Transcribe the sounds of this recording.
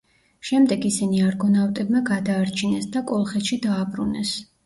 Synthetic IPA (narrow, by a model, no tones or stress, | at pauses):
ʃɛmd̪ɛɡisiniaɾɡɔnavt̪ʼɛbmaɡad̪aːɾt͡ʃʰinɛsd̪akʼɔlˠχɛt̪ʃid̪aːbɾunɛs